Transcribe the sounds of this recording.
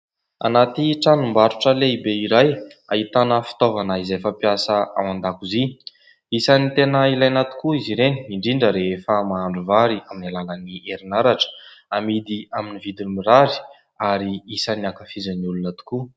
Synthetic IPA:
a̰nat̪iʈ͡ʂanumbaɾuʈ͡ʂəleibeiɾaj | aɦit̪anəfi̥t̪ovanaizefəpiasəa̰wand̪akuzi | isanit̪enəilajnat̪u̥kuiziɾeniiɳɖ͡ʐiɳɖ͡ʐəɾeefəmaːɳɖ͡ʐuvaɾiaminalalənieɾinaɾaʈ͡ʂə̥amid̪iaminivid̪inimiɾaɾi̥ | aɾiisaniakafizəniulunat̪u̥ku

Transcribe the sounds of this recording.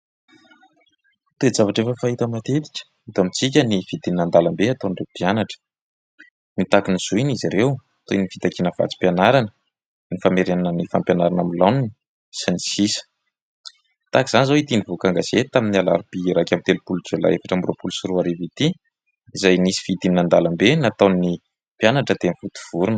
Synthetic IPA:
t̪ed͡zavaʈ͡ʂefəfaɦit̪əmat̪et̪i̥kʲə̥ | it̪oamit͡sik̬ʲənivid̪inand̪alambeat̪onɖ͡ʐep̪ianaʈ͡ʂə̥ | nit̪akiniz̥uiniziɾew | t̪oinifit̪akinəv̥a̰t͡si̥pʲjanaɾanə | nifameɾenanənifampjanaɾanamilanini | sinisisə̥ | t̪aki̥z̥anizoit̪inivokaŋɡaz̥et̪aminiala̰ɾipiɾakʲamit̪elupulud͡ʒela̰efaʈ͡ʂambro̰pulusuɾuaɾevit̪i | izajnisi̥v̥id̪ininand̪alambenat̪ani | pijanaʈ͡ʂəd̪emifut̪u̥v̥uɾun

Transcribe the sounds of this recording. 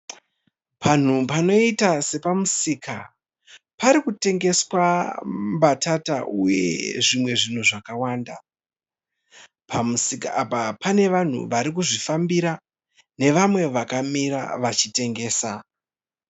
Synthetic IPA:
pʰan̤upano̞itase̞pamusiːka̰ | paɾikute̞ŋɡe̞swambatataʔuje̞̰ʐimwe̞ʐin̤uʐakawaːnda | pamusikaapapane̞ʋan̤ṵʋaɾikuʐifambiɾa | ne̞ʋamwe̞ʋakamiɾa̰ʋat͡ʃite̞ŋɡe̞ːsa

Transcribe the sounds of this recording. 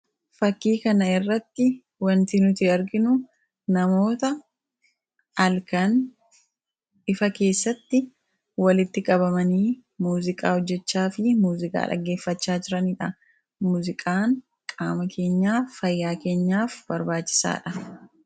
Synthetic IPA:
fɐkːiːkɐnɐɪrːɐt̪ːɪ | wɐnt̪iːnʊt̪iɐɾɡɪnʊ | nɐmo̞ːt̪ɐ | ɐlkɐn | ʔɪfɐke̞ːsːɐt̪ːɪ | wɐlɪt̪ːɪkʼɐbɐmɐniːmuːzɪkʼa̰ːhɔd͡ʒːɛt͡ʃːaːfɪmuːzɪkʼa̰ːᶑɐ̰ɡːe̞ːfːɐt͡ʃːaːd͡ʒɪɾɐniᶑɐ | muːzɪkʼaːŋ | kʼaːmɐkʰe̞ːɲːaːɐjːaːke̞ːɲːaːfbɐɾbaːt͡ʃːɪ̥sa̰ːᶑɐ

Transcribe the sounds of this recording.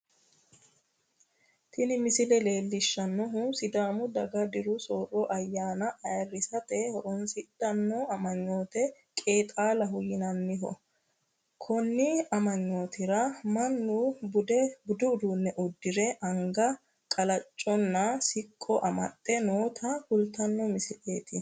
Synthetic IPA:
t̪ʰɪnɪmɪsɪlɛle̞ːlːɪʃːɐnːɔɦʊsɪd̪aːmʊd̪ɐɡɐd̪ɪɾʊsoːrːɔʔɐjːaːnɐʔɐjɐrːɪsɐt̪ɛhɔɾɔnsɪtʼːɐnːɔɐmɐɲːoːt̪ɛ | kʼe̞ːt̪ʼaːlɐɦʊjɪnɐnːɪɦɔ̰ | kʰɔnːɪɐmɐɲːo̞ːt̪ɪɾɐmɐnːʊbʊd̪ɛbʊd̪ʊʊd̪uːnːɛʔɔd̪ːɪɾɛʔɐŋɡɐ | kʼɐlɐt͡ʃʼːɔnːɐsɪkʼːɔʔɐmɐ̰t̪ʼːɛnoːt̪ʰɐhʊlt̪ɐnːɔmɪsɪle̞ːt̪ɪ

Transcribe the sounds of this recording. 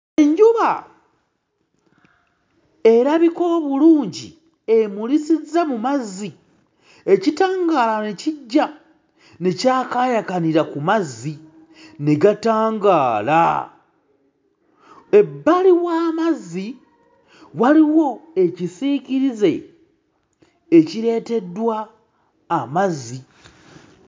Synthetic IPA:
eɲɟuβa | e̞ɾaβiko̞βuluːɲɟḭ | e̞mulisizamumazi | e̞citaːŋɡaːlaneciɟːa | necaːkajakaniɾakumazːi | neɡataːŋɡaːla̰ | e̞bːaliwaːmazi | waliwo̞e̞cisiːciɾize̞ | ciɾe̞ːte̞dːwaː | mazːi

